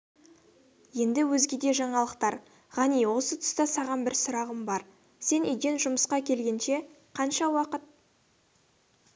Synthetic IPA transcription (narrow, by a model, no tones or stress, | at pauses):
je̞nd̪ɪwɵzɡʲed̪e̞ʒɑɴɑlˠəqt̪ɑɾ | ʁɑnijwo̞sət̪ʰʏ̥st̪ɑsɑʁɑnbɪɾsʊɾɑʁəmbɑɾ | se̞nḛjɡʲe̞nʒʊməsqɑkʲʰe̞lɡʲe̞nʃe̞ | qʰɑnʃɑwɑqət̪̚